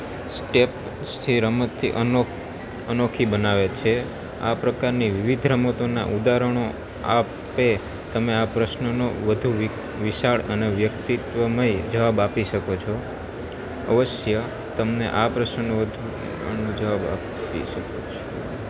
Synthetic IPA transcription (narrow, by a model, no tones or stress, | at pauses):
sʈep | st̪ʰiɾəmət̪ʰːḭʔə | ənokʰibənaʋet͡ʃʰe | a̰pɾəkaɾniʋiʋid̪ʱɾəmət̪ona̰ʔud̪aɾəɳ̃o | a | pe | t̪əmeapɾəʃnənoʋəd̪ʱu | ʋiʃaɭə̰neʋjəkt̪it̪ʋəməid͡ʒəʋabapiʃəkot͡ʃʰo | əʋəʃjə | t̪əmnḛʔapɾəʃnənoʋəd̪ʱu | nud͡ʒəʋaba̰pḭʃəkot͡ʃʰo